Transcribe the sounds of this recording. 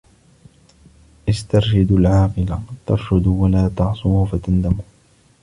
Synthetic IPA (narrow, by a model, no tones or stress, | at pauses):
ʔɪst̪ɑɾˤʃad̪alʕaːqɪlat̪ɑ̰ɾˤʃʊd̪walaːt̪ɑʕsˤʊmhfat̪and̪amʊh